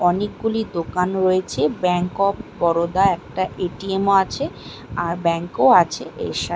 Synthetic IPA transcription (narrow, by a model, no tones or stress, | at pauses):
ɔnek̚ɡulid̪okanɾoet͡ɕʰebɛŋkɔbbɔɾod̪aɛk̚ʈaʔeʈiemoat͡ɕʰe | aɾbɛŋkoat͡ɕʰeʔḛʃa